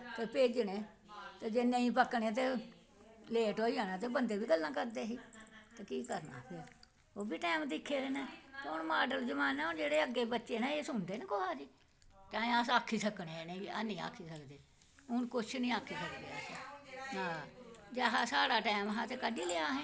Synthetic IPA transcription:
t̪eːpeːd͡ʒɳẽː | t̪eːd͡ʒenːẽĩːpəkɳẽːt̪eː | leːʈoːiãːnãːt̪̬eːbənd̪eːbiːɡəlːãːkəɾd̪eːɦiːt̪eːkiːkəɾna̰ːpʰɪɾ | oːbiːʈɛːmd̪ɪkʰːeːɾeːneːt̪eʊnmaːɖəld͡ʒəmaːnɛ̃ːɦʊnd͡ʒeːɽeːəɡːeːbətːʃeːnaːeːsʊnd̪eːneːkoɦaːd͡ʒiː | t͡ʃãːẽːaːsaːkʰiːsəkɳeɛːneibiːa̰ːnĩːa̰ːkʰːiːsəld̪eː | ʊnkʊt͡ʃʰnĩːaːkʰːiːsəkd̪easnãːd͡ʒaɦaːsaːɽaːʈɛːmɦaːt̪eːkəɖiːlɪaːɦɛ̃ː

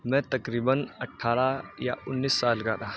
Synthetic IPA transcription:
mɛ̃t̪ɐkɾiːbənɐʈʰːaːɾaja̰ʔʊnːiːsːaːlɡaːd̪aː

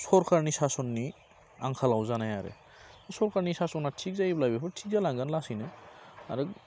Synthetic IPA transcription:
sɔɾkʰaɹnisasɔnːi | aŋkʰalawzanajaɾɯ̰ | sɔɾkʰaɾnisasɔnatʰik̚zajblajbipʰɔtʰikzalaŋɡanlasinɯa̰ɾɯ

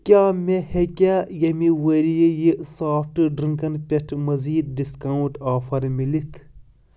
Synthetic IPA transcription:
kʲaːmehekʲaːjɐmiwɐɾijejisaːpʰʈɨɖɾɨŋkɐnpʲɐʈʰmɐziːd̪̚ɖiskaːuɳʈaːfʰɐɾmilit̪ʰ

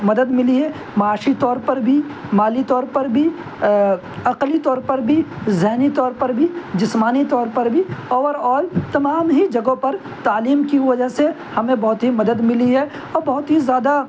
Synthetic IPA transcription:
mɐd̪əd̪mɪliɦɛ | mɐaːʃit̪ɔːɾpɐɾbʱimaːlit̪ɔːɾpɐɾbʱi | ɐqlit̪ɔːɾpɐɾbʱizɛɦnit̪ɔːɾpɐɾbʱid͡ʒɪsmaːnit̪ɔːɾpɐɾbʱiɔːʋəɾɔːlt̪ɐmaːmɦid͡ʒɐɡõpɐɾ | t̪aːliːmkiʋɐd͡ʒəɦse | hɐmẽbɐɦʊt̪ɦimɐd̪əd̪mɪliɦɛ | ɔːɾbɐɦʊt̪ɦizjaːd̪a

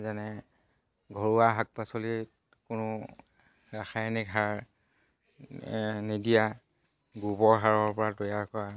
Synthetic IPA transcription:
zanɛ | ɡʱɔɹuwaɦak̚pasoli | kʊnʊ | ɹaxʰajnikɦaɹ | nidija | ɡubɔɹɦaɹɔɹpɔɹatojaɹkɔɹa

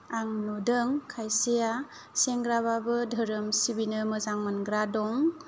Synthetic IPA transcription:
aŋnɔdɯŋkʰajseja | seŋɡɾaβabɯdʱəɾɯmsibinɯmɯzaŋmənɡɾadɔŋ

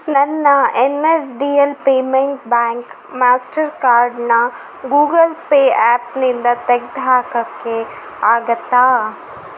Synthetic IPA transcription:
nɐnːaenesɖiːelpeːmẽɳʈbɛːŋk | maːsʈəɾkaːɾɖna | ɡuːɡəlpeɛːpnɪnd̪ɐt̪ɐk̚d̪ʱaːkɐkːe | aːɡət̪aː

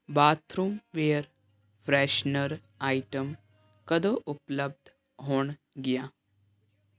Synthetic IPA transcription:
baːt̪ʰɾuːmʋeːɾ | fɾɛːʃnəɾ | aːjʈəm | kɐd̪oʔupləb̚d̪ʱ | ɦoːɳ | ɡija

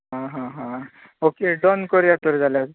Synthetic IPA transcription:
ɦãɦãɦã | okeɖɔnkəɾjat̪əɾd͡zʱaljas

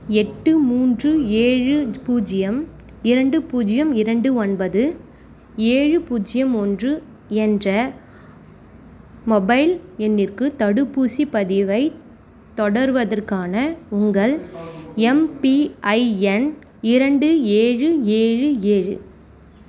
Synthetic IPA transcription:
ɛʈːɯmuːndrɯeːɻɯpuːd͡ʒɪjɐm | ɪɾɐɳɖɯpuːd͡ʒɪjɐmɪɾɐɳɖɯɔnbɐðɯ | eːɻɯpuːd͡ʒɪjɐmɔndrɯ | ɛndrɐ | mɔbɐɪlɛnːɪrkɯt̪ɐɽɯpːuːsipɐðɪʋɐɪ | t̪ɔɽɐɾɯʋɐðɐrkaːnɐʊŋɡɐɭ | ɛmpiʔɐɪɛn | ɪɾɐɳɖɯeːɻɯeːɻɯeːɻɯ̰

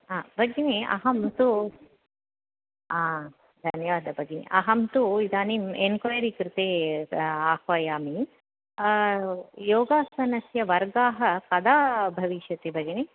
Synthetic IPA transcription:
aːbʱɐɡiniɐ̰ɦɐmt̪u | aː | d̪ʱɐnjɐʋaːd̪ɐbʱɐɡinḭʔɐɦɐmt̪uid̪aːnimenkojɐɾikɾɪt̪eː | aːhʋɐjaːmi | joːɡaːsɐnɐsjɐʋɐɾɡaːɦɐkɐd̪aːbʱɐʋiʃjɐt̪ibʱɐɡini

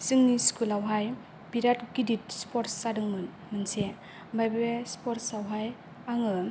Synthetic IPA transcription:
sɯŋniskʰulawɦaj | biɾatɡidit̚spɔɾtsadɯŋmɯn | mɯnse | bajbespɔɾtsawɦaj | aŋɯ

